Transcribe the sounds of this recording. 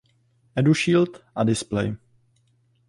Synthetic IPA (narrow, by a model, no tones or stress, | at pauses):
ʔɛduʃiːlt̪ʔadɪsplɛ̰j